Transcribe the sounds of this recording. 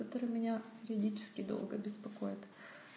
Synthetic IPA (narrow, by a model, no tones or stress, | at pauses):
ɐt̪oɾɨmʲɪnʲapʲɪɾʲɪɐdʲit͡ɕɪ̥skʲɪd̪o̰lˠɡəbʲɪspɐkojɪt̪